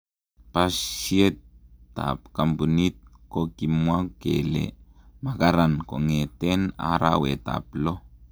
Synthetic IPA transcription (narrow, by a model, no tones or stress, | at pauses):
pasijet̪a̰p̚kambunit̪̚kokimwakḛlḛmakaɾankoŋet̪ena̰ɾa̰wet̪a̰plo